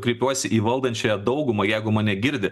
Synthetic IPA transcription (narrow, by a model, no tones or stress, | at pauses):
kɾʲiɪpʲuɔsʲɪʔiːʋɐlˠd̪ɐnʲt͡ʃʲoːjɛd̪ɒʊɡʊmɐjɛɪɡʊmɐnʲɛɡʲɪɾʲd̪ʲɪ